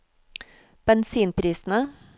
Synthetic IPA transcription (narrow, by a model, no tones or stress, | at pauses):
b̥ɛnsiːnpʰɾiːsn̩ə